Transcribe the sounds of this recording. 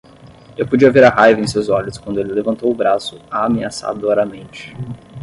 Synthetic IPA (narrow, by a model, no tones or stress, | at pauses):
ewpod͡ʒiɐveɾɐɦajvẽj̃sewzɔʎʊskwɐ̃nd̪ʊelɪlevɐ̃nt̪owʊbɾasʊ̥aːmẽasa̰d̪ʊaɾɐmẽnt͡ʃɪ̥